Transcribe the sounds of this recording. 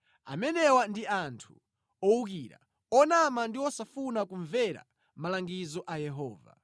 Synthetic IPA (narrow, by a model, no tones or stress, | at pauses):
a̰mɛnɛwandiantʰu̥ | ɔuk̬iɾa̰ | ɔnamandiɔsafunakuɱvɛɾa̰ | malaŋɡizɔʔajɛɦɔːva̰